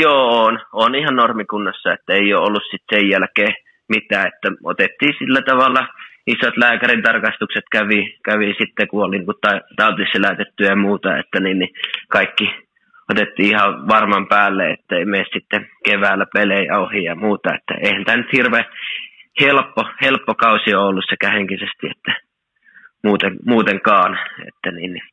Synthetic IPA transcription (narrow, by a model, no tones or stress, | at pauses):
joːnonihɑnnormikunːɑsːɑet̪ːæeˑijoːolːussit̪sejjælkeː | mit̪æːet̪ːæo̰t̪et̪ːiːsilːæt̪ɑʋɑlːɑisot̪læːkærint̪ɑrkɑst̪ukset̪kæʋikæʋisit̪ːekuoliikutt̪ɑt̪ɑˑyt̪eliselæˑt̪et̪ːyjɑmuːt̪ɑḛt̪ːæniːnnikɑˑikːi | ot̪et̪ːiːihɑʋɑrmɑmpæːlːeḛt̪ːæeˑimeˑissit̪ːekeʋæːlːˑæpelejɑ̰ohijɑmuːt̪ɑḛt̪ːæ̰ḛˑihænt̪æːnyt̪hirʋe | helpːohelpːokɑusioolːussekæheŋkisest̪iḛt̪ːæ | muːt̪eŋmuːt̪eŋkɑːnḛt̪ːæniːnni